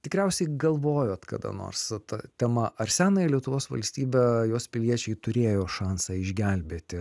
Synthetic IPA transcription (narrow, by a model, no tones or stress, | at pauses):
t̪ʲɪkɾʲɛˑʊsʲɛɪɡɐlˠʋoːjoːt̪kɐ̰d̪ɐ̰no̰ːrst̪ɐt̪ʲɛmɐʔɐrsʲæːnɐlʲiɛt̪ʊʋoːsʋɐ̰lʲsʲt̪ʲiːbʲɛjoːspʲɪlʲiɛt͡ʃʲɛɪt̪ʊɾʲeːjoːʃɑːnsɑɪʒʲɡʲælʲbʲeːt̪ʲɪ